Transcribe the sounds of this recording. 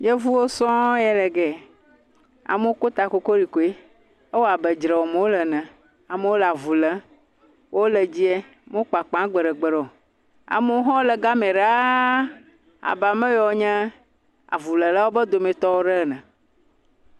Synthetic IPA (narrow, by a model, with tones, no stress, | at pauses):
je˦vu˦wo˦sɔ̃˦jɛ˦lɛ˨ɡɛ˨ | a̰˨me˦wo˦ko˦t̪a˨ko˨ko˦li˨ko˨e˦ | e˦wo˦a˨bɛ˨d͡ʒɾɛ˨wo˨me˨wo˦lɛ˨nɛ̃˨ | a˨me˦wo˦lɛ˨a˨vu˨lɛ˦ | wo˦lɛ˨d͡ʑi˦ɛ˦ | me˦wo˦k͡pa˨k͡pã˨˦ɡ͡bɛ˨ɖɛ˨ɡ͡bɛ˨ɖɔ˨ | a̰˨me˦wo˦ɦɔ̃˦o˦lɛ˨ɡa˦mẽ˨ɖa˦ | a̰˨ba˨mɛ̃˦jɔ˨wo˦ɲɛ̃˦ | a̰˨vu˨lɛ˨la˦wo˦bɛ˦d̪o˨mẽ˨t̪ɔ˦wo˦ɖɛ˦˨nɛ̃˨